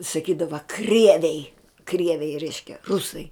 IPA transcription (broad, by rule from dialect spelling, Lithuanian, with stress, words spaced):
sɐˈkʲiːdɐʋɐ ˈkrʲiɛʋʲɛɪ ˈkrʲiɛʋʲɛɪ ˈrʲɛɪʃʲkʲɛ ˈrʊsɐɪ